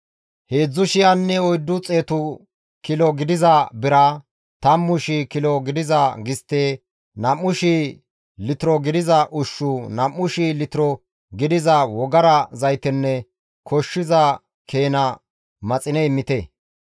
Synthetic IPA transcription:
heːd͡zːʊʃɪjanːɛɔjd̪ːʊt͡sʼeːt̪ʊ | kɪlɔɡɪd̪ɪzɐbɪɾɐ | t̪ɐmːʊʃikɪlɔɡɪd̪ɪzɐɡɪst̪ːeː | nɐmːʊʃi | lɪt̪ɪɾɔɡɪd̪ɪzɐʔʊʃːʊnɐmːʊʃilɪt̪ɪɾɔ | ɡɪd̪ɪzɐwɔɡɐɾɐzɐjt̪ɛnːɛ | kʰɔʃːɪzɐ | kʰe̞ːnɐ | mɐt͡sʼɪnɛɪmːɪt̪ɛ

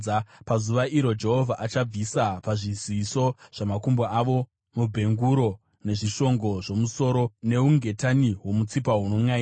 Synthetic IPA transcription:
pazuʋaiɾo̞d͡ʒe̞ɦo̞vʱaʔat͡ʃab͡visapaʐiziso̞ʐ̥amakumboaʋo̞ | mubʱe̞ŋɡuɾo̞ | ne̞ʐiʃo̞ŋɡo̞ʐo̞muso̞ɾo̞ne̞uŋɡe̞taniwo̞mut͡sipaɦunoŋai

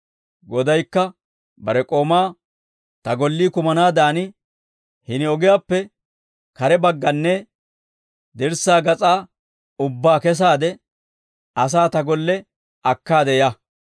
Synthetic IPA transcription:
ɡɔd̪ɐjkːɐ | bɐɾɛkʼo̞ːmaː | t̪ɐɡɔlːiːkʊmɐnaːd̪aːnɪ | hɪnɪɔɡɪjaːpːɛ | kɐɾɛbɐɡːɐnːɛ | d̪ɛɾsaːɡɐt͡sʼaː | ʊbːaːkɛs̬aːd̪ɛ | ɐs̬aːt̪ɐɡɔlːɛ | ɐkːaːd̪ɛja

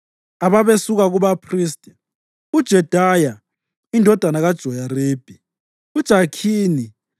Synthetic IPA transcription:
aβaβesuɣaɣuβapʰriːstʼɛ | ud̥ʒ̥ʱɛd̥ʱaja | indʱɔd̥ʱanaɣad̥ʒ̥ʱɔjareːb̥ʱi | ud̥ʒ̥ʱakʰiːni

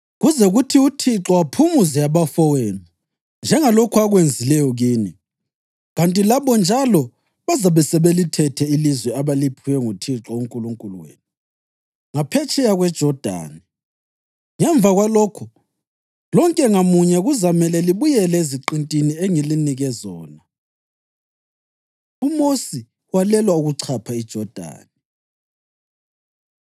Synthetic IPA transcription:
ɣuzɛɣutʰiutʰiǁɔwapʰumuzɛjaβafɔweːnu | nd͡ʒʱɛŋalokʰuaɣwend͡zʱilɛjɔɣiːni | ɣantʼilaβɔnd͡ʒʱalɔ | βazaβɛsɛβelitʰɛtʰɛilizwɛaβalipʰuwɛŋutʰiǁɔuŋkʼuluŋkʼuluwḛːni | ŋapʰɛt͡ʃʼɛjaɣwɛd̥ʒ̥ʱɔd̥ʱa̰ːni | ŋɛɱb̪vaɣwalokʰu | lɔŋkʼɛŋamuɲɛɣuzamɛlɛliβujɛlɛeziǃintʼinieŋiliniɣɛzɔːna | umosi | walɛlwauɣuǀʰapʰaid̥ʒ̥ʱɔd̥ʱa̰ːni

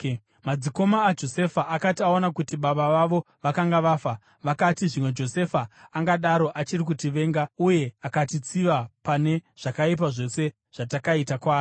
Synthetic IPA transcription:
mad͡ziko̞maːd͡ʒo̞se̞faʔakatiaonakutiɓaɓaʋaʋo̞ | ʋakaŋɡaʋaːfa | ʋakatiʐimwe̞d͡ʒo̞se̞faːŋɡaɗaɾo̞ʔat͡ʃirik̬utiʋe̞ːŋɡauje̞akatit͡siʋapane̞ʐ̥akaip̬aʐo̞se̞ | ʐ̥atakaitakwaːri

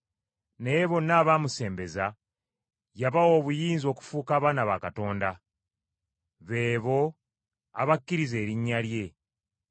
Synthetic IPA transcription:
ne̞βo̞naːβaːmuse̞ːmbe̞za | jaβawo̞ːβujiːnzo̞ːku̥fuːkaːβaːnaβakato̞ːnda | βe̞ːβo̞ | a̰βakːiɾize̞ːɾiɲːalje̞

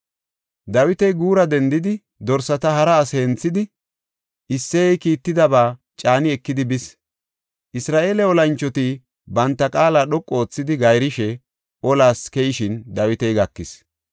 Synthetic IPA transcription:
d̪ɐwɪt̪ɛjɡuːɾɐd̪ɛnd̪ɪd̪ɪ | d̪ɔɾsɐt̪ɐhɐɾɐːseːnt͡sːɪd̪ɪ | ʔɪsːɛjɛjkiːt̪ːɪd̪ɐbaː | t͡ʃʼaːnɪɛkːɪd̪ɪbɪs | ʔɪsɾaːʔe̞ːlɛɔlɐnt͡ʃːɔt̪i | bɐnt̪ːɐkʼaːlaːɗɔkʼːo̞ːt͡sːɪd̪ɪɡɐjɾɪʃɛ | ɔlaːskɛjɪʃɪnd̪ɐwɪt̪ɛjɡɐkːɪs

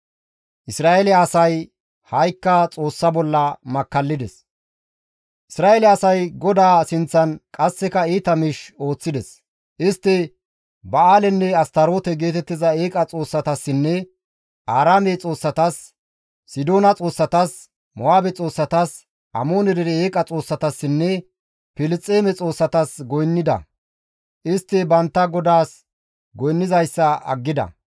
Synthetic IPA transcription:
ʔɪsɾaːelɛɐsɐj | hɐjkːɐt͡sʼo̞ːsːɐbɔlːɐmɐkːɐlːɪd̪ɛs | ʔɪsɾaːelɛɐsɐjɡɔd̪aːsɪnt͡sːɐnkʼɐsːɛkɐiːt̪ɐmɪʃo̞ːt͡sːɪd̪ɛs | ʔɪst̪ːɪ | bɐaːlɛnːɛɐst̪ɐɾo̞ːt̪ɛɡe̞ːt̪ɛt̪ːɪzɐeːkʼɐt͡sʼo̞ːsːɐt̪ɐsːɪnːɛ | ʔaːɾaːmet͡sʼo̞ːsːɐt̪ɐsː | ɪd̪o̞ːnɐt͡sʼo̞ːsːɐt̪ɐs | mɔaːbɛt͡sʼo̞ːsːɐt̪ɐs | ʔɐ̰mo̞ːnɛd̪ɛɾɛeːkʼɐt͡sʼo̞ːsːɐt̪ɐsːɪnːɛ | pɪlɪt͡sʼːeːmɛt͡sʼo̞ːsːɐt̪ɐsɡɔjnːɪd̪ɐ̰ | ʔɪst̪ːɪbɐnt̪ːɐɡɔd̪aːs | ɡɔjnːɪzɐjsːɐɐ̰ɡːɪd̪ɐ̰

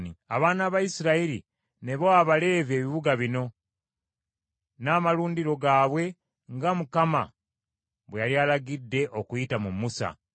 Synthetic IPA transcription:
nia̰βaːnaːβaisiɾaiɾi | ne̞βoaβale̞ːve̞ːβiβuɡaβino̞ | naːmaluːndiɾo̞ɡaːβwe̞ | ŋɡamukama̰ | βwejalialaɡidːe̞ʔo̞kujitamumusa̰

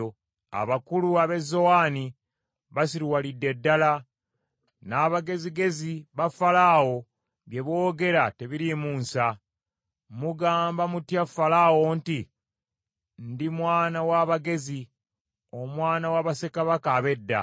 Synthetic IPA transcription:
a̰βakuluaβe̞zo̞waːni | βasiɾiwalidːe̞dːala | naːβaɡe̞ziɡe̞ziβafalaːwo̞ | βje̞βo̞ːɡe̞ɾate̞βiɾimuːnsa | muɡaːmbamutjafalawo̞nti | ndimwaːnawaβaɡe̞zi | o̞mwaːnawaβase̞kaβakaːβe̞dːa̰

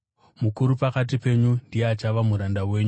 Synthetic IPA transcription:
mukuɾupakat̬ipe̞ɲundijeat͡ʃaʋamuɾandawe̞ːɲu

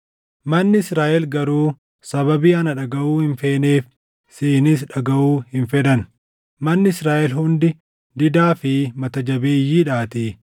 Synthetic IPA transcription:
mɐnːɪɪsɾaːʔɛlɡɐɾuː | sɐβɐbiːɐnɐᶑɐɡɐʔuːhɪnfeːneːf | siːnɪs̬ᶑɐɡɐʔuːhɪnfɛd̪ɐn | mɐnːɪɪsɾaːʔɛlɦʊnd̪ɪ | d̪ɪd̪aːfɪmɐt̪ɐd͡ʒɐbeːjːiːᶑaːt̪iː

